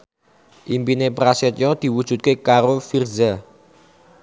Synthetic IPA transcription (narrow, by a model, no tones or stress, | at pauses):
ʔimpinepɾasɛt̪̚jɔd̪̥i̤wud̥ʒ̥ṳt̪̚kekaɾofirza